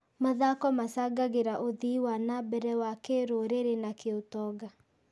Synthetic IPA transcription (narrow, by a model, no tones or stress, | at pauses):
maðakɔmasaɡaɣeɾaʔoðiwanabɛɾɛwakeɾoɾeɾenakeotɔɡa